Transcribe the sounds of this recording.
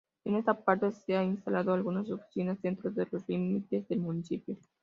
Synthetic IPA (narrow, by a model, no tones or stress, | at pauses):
d̪inast̪apart̪eseainst̪alat̪oalɡunasop̚t̪sunat͡ʃent̪ɾud̪elorlimit̪d̪esd̪elmunit͡ʃipju